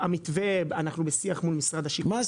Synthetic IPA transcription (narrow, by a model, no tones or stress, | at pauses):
amit̪vebanaχnubesiaχmulmisʁad̪aʃi